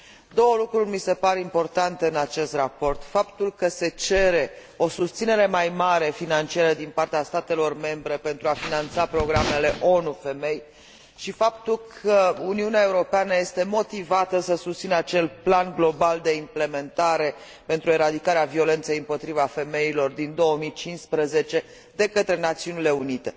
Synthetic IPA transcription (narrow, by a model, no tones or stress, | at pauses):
d̪o̞wəlukɾurʲmise̞paɾe̞impo̞rt̪ant̪eɨnat͡ʃe̞st̪rapo̞rt̪fapt̪ulkəse̞t͡ʃe̞ɾe̞ | o̞sust̪sine̞ɾe̞majmaɾe̞finant͡ʃiaɾəd̪inpart̪east̪at̪e̞lo̞rme̞mbɾe̞pe̞nt̪ɾuafinant̪sapɾo̞ɡɾame̞le̞ʔo̞nufe̞me̞j | ʃifapt̪ulkʰəuniuneae̞uɾo̞peanəje̞st̪e̞mo̞t̪ivat̪əsəsust̪sinəat͡ʃe̞lplanɡlo̞bald̪e̞imple̞me̞nt̪aɾe̞ | pe̞nt̪ɾue̞ɾad̪ikaɾeavio̞le̞nt̪sejɨmpo̞t̪ɾivafe̞me̞ilo̞rd̪ind̪o̞əmit͡ʃinspɾəze̞t͡ʃe̞ | d̪e̞kət̪ɾe̞nat̪siunile̞unit̪e̞